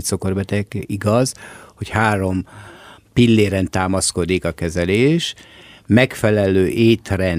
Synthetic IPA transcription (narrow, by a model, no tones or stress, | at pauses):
t̪so̞ko̞rbɛt̪ɛɡiɡɒzho̞chaːɾo̞m | pilːeːɾɛnt̪aːmɒsko̞d̪ikɒkɛzɛleːʃmɛkfɛlɛløːʔeːt̪rɛn